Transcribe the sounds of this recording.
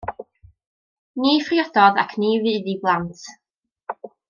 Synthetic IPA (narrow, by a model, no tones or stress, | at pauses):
niːfriɔdɔða̰kʰniːvɨːðiblˠantʰ